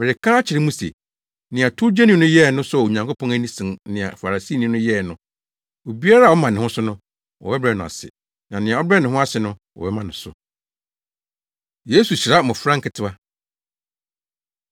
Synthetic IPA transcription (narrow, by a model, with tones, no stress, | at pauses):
mɪ˨ɾɪ˨kʰa˦a˦t͡ɕʰɪ˨ɾɪ˦mũ˦sḛ˨ | nɪ̃˨a˨tʰʊ˦d͡ʑɛ˦nĩ˦nʊ̃˦jɛ˦˨nʊ̃˦sʊ˦a˨o˨ɲã˨ŋkʰo˦pʰɔ̃˦næ˦nĩ˦sɪ̃˨nɪ̃˨a̰˨fa˨ɾa˨si˦nĩ˦nʊ̃˦jɛ˦˨nʊ̃˦ | o˨bi˦a˦ɾa˦˨ɔ˦mã˨nɪ̃˨hʊ̃˦sʊ˦nʊ̃˦ | wɔ̰˨bɛ˦bɾɛ˨nʊ̃˨a̰˨sɪ̰˨ | nã˨nɪ̃˨ã˨ɔ˦bɾɛ˦nɪ̃˨ɦʊ̃˦a˦sɪ˨nʊ̃˦wɔ̰˨bɛ˦mã˨nɪ̃˨sʊ˨ | je˦su˨ɕi˨ɾa˦˨mʊ̃˨fɾã˦ŋ̩˦kʰɪ˨tʰɪ˦˨a˦